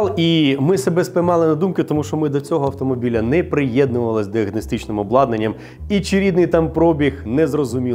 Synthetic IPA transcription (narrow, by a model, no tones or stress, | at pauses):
lˠimɪsebɛspɪmɑlˠɪnɐd̪umkʊt̪ɔmuʃt͡ʃɔmɪd̪ɔt͡sʲɔɦɔɐwt̪ɔmɔbʲilʲɐnɛpɾɪjɛd̪nʊʋɐlˠɪsʲd̪iɐɦnɔst̪it͡ʃnɪmɔblˠɑd̪nenʲːɐm | it͡ʃiɾʲid̪nɪjt̪ɑmpɾɔbʲixnɛzrɔzʊmʲi